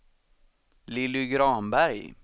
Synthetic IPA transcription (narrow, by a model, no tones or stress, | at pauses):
lɪlːʏɡɾɑːmbæɾj